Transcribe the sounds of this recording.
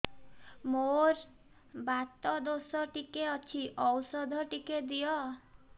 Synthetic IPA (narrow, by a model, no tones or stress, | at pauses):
moɾ | bat̪ɔd̪osɔʈikeɔt͡ʃʰiʔɔwsɔd̪ʱɔʈiked̪ijɔ